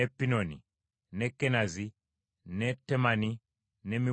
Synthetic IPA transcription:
ɛpinɔnḭ | nɛkɛnazi | nɛtɛmani | nɛmi

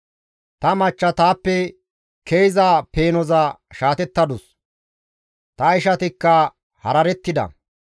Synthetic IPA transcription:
t̪ɐmɐt͡ʃːɐt̪aːpːɛ | kʰejzaːpe̞ːnɔzɐʃaːt̪ɛt̪ːɐd̪ʊs | t̪ɐɪʃɐt̪ɪkːɐ | hɐ̰ɾɐɾɛt̪ːɪd̪ɐ̰

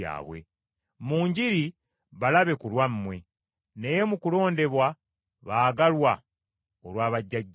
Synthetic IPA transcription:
a̰ːβwe̞̰ | muːɲɟiɾi | βalaβe̞kulwammwe̞ | ne̞jemukulo̞ːnde̞βwa | βaːɡalwa | olwaːβaɟːaɟː

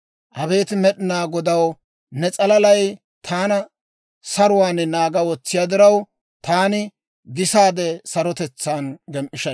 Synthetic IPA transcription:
ʔɐβe̞ːt̪ɪmɛɗɪnaːɡɔd̪ɐw | nɛt͡sʼɐlɐlɐj | t̪ʰaːnɐ | sɐɾʊwaːnnaːɡɐwɔt͡sːɪjad̪ɪɾɐw | t̪aːnɪ | ɡɪsaːd̪ɛsɐɾɔt̪ɛt͡sːaːnɡɛmʔɪʃɐ

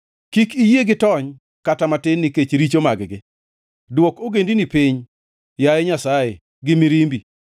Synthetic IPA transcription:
kikijeɡɪtɔɲ | katamatɪnːiket͡ʃɾit͡ʃomaɡɡɪ | dwɔkoɡendinipiɲ | jajɛɲasaje | ɡɪmiɾimbi

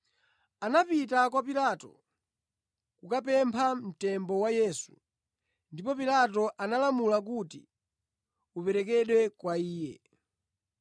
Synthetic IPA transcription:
anapitakwapilatɔ̰ | kukapɛmpʰam̩tɛmbɔwajɛːsu̥ | ndipɔpilatɔʔanalamulak̬uti | upɛɾɛkɛɗwɛkwaiːjɛ

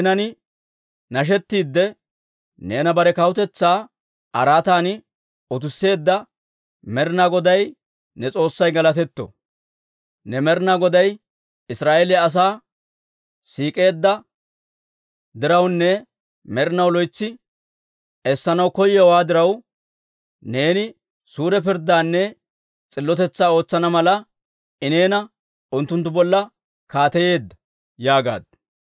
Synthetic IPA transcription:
nɐnɪ | nɐʃ̬ɛt̪ːiːd̪ːɛ | neːnɐbɐɾɛkɐwʊt̪ɛt͡sːaː | ʔɐɾaːt̪aːnɪ | ɔt̪ʊsːe̞ːd̪ːɐ | mɛɾɪnaɡɔd̪ɐj | nɛt͡sʼo̞ːsːɐjɡɐlɐt̪ɛt̪ːɔ̰ | nɛmɛɾnaɡɔd̪ɐj | ɪsɾaːʔeːlɛɐs̬aː | siːkʼe̞ːd̪ːɐ | d̪ɪɾɐwnːɛ | mɛɾɪnɐwlɔjt͡sːɪ | ɛsːɐnɐwkɔjɛwaːd̪ɪɾɐw | ne̞ːnɪ | suːɾɛp̬ɪɾd̪aːnːɛ | t͡sʼɪlːɔt̪ɛt͡sːaːo̞ːt͡sːɐnɐmɐlɐ | ʔɪne̞ːnɐ | ʊnt̪ːʊnt̪ːʊbɔlːɐ | kaːt̪ɛje̞ːd̪ːɐ | jaːɡa̰ːd̪̚

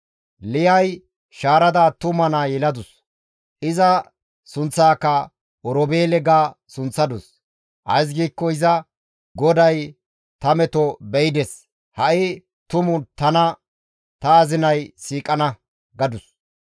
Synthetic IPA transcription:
lɪjɐj | ʃaːɾɐd̪aːt̪ʊmɐnaːjɛlɐd̪ʊs | ɪzɐ | sʊnt͡sːaːkːɐ | ɔɾɔbeːlɛɡaːsʊnt͡sːɐd̪ʊs | ʔɐjs̬ɡiːkːɔɪzɐ | ɡɔd̪ɐj | t̪ɐmɛt̪ɔbɛjd̪ɛs | hɐʔɪ | t̪ʊmʊt̪ɐnɐ | t̪ɐːzɪnɐjsiːkʼɐnɐ | ɡɐd̪ʊs

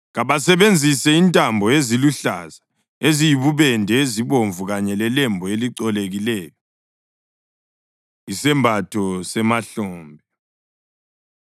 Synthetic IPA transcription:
ɣaβasɛβend͡zʱisɛintʼambʱɔeziluɬa̰za | ezijiβuβɛndʱɛeziβoɱvuɣaɲɛlɛlɛmbʱɔeliǀɔleɣilɛːjɔ | isɛmbʱatʰɔsɛmaɬɔːmbʱɛ

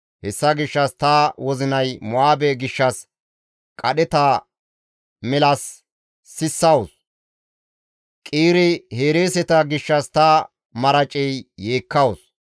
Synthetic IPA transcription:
hɛsːɐɡɪʃːɐst̪ɐwɔzɪnɐjmʊaːbeɡɪʃːɐs | kʼɐɗɛt̪a | mɛlɐsː | ɪsːɐwɔs | kʼiːɾɪhe̞ːɾeːsɛt̪ɐɡɪʃːɐst̪ɐ | mɐɾɐt͡ʃʼɛjːe̞ːkːɐwɔs

